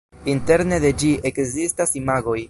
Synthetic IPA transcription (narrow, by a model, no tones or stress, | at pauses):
inte̞ɾne̞de̞d͡ʒiʔe̞kzistasimaɡo̞j